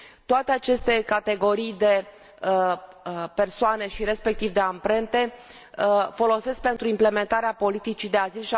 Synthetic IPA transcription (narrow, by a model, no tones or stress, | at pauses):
t̪oat̪e̞at͡ʃe̞st̪e̞kat̪e̞ɡo̞ɾijd̪e̞ | pe̞rsoane̞ʃiɾe̞spe̞k̚t̪ivd̪e̞ampɾe̞nt̪e̞ | fo̞lo̞se̞sk̚pe̞nt̪ɾuimple̞me̞nt̪aɾeapo̞lit̪it͡ʃid̪e̞azilʃi